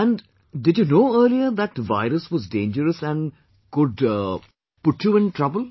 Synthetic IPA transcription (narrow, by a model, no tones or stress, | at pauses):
æ̃ɳ | ɖɪɖjunoːəːɾliəɾd̪æʈʋa̰ɪɾəsʋɔzɖḛ̃ːnd͡ʒəɾəsæ̃ɳɖ | kʊɖ | pʊʈjuɪ̃nʈɾʌbəl